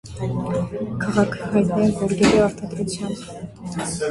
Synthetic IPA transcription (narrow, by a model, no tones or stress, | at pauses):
kʰɑʁɑkʰɦɑjt̪nɛvɔɾɡɛɾiɑɾt̪ɑd̪ɾut͡sʰjɑm